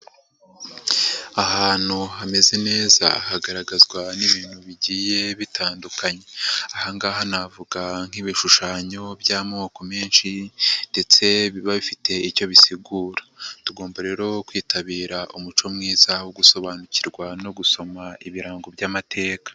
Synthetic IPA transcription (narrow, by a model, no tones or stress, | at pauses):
ahaːn̥huɦame̞ze̞ne̞ːza̰ːhaɡaɾaɡazɡwaniβiːn̥huβiɟiːje̞βitʰaːndukʰaɲe̞ahaŋɡaːɦanavuɡaŋ̥iβiʃuʃaːɲo̞bjaːmŋoko̞me̞ːnʃinde̞t͡se̞βiβaβifite̞ico̞βisiɡuːɾḁtuɡo̞ːmbaɾe̞ɾo̞kwiːtaβiːɾaʔumut͡ʃo̞mŋiːzawoɡuso̞βaːnuciɾɡwano̞ɡuso̞maiβiɾaːŋɡobɟamatʰe̞ːkḁ